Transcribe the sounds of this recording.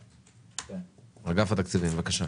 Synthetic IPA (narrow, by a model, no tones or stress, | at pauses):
ʁaɡafat̪akt͡sivimvakaʃa